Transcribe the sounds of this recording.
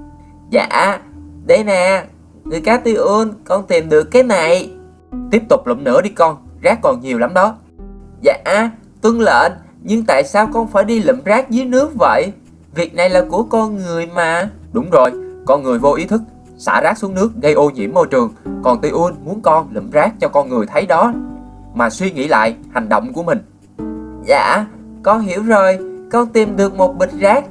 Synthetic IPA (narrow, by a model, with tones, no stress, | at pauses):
za̰ː˧˨ʔɗə˧jnaː˨˩ | ŋɨ˨˩əjk̪aː˨˧˥t̪i˧ʔu˧nkɔ˧nt̪i˨˩ənɗɨ˨˩əkːaː˨˦jna˨˩j | t̪i˦˥əp̚t̪ʊ˨˩k͡p̚lḭ˧˨m̚nɨ̰˧˥ɗi˧kɔ˧nzaː˦˥kːɔ˨˩nɲi˨˩əwla˨˦mɗɔ˨˦ | za̰ː˧˨ʔ | t̪wə˧ŋlə̰ː˧˨n | ɲɨ˧ŋt̪a̰ː˧˨jsaː˧wkɔ˧nfaː˧˩jɗi˧lḭ˧˨mzaː˦˥k̚zɨ˨˦jnɨ˦˥ək̚və̰˧˨j | vi˨˩ək̚na˨˩jlaː˨˩ku˧˩əkɔ˧nŋɨ˨˩əjmaː˨˩ɗʊ˨˦wŋ͡mzo˨˩jkɔ˧nŋɨ˨˩əjvo˧ʔi˨˦t̪ʰɨ˦˥k̚ | sa̰ː˧˩zaː˦˥su˨˦əŋnɨ˦˥ək̚ɣə˧jʔo˧ɲḭ˧˥əmːo˧jt͡ɕɨ˨˩əŋkɔ˨˩nt̪i˧ʔu˧ənmu˨˦ənkɔ˧nlḭ˧˩˨mzaː˦˥k̚t͡ɕɔ˧kɔ˧nŋɨ˨˩əjt̪ʰə˨˦jɗɔ˨˦ | maː˨˩swi˧ŋḭ˧˥la̰ː˧˨jha˨˩ŋ̟ɗo̰˧˨wŋ͡mku˧˩əmï˨˩ŋ̟ | za̰ː˧˨ | kɔ˧nɦi˧˩əwzo˨˩jkɔ˧nt̪i˨˩mɗɨ˨˩ək̚mo˨˩t̚ɓï˨˩t̟̚zaː˦˥k̚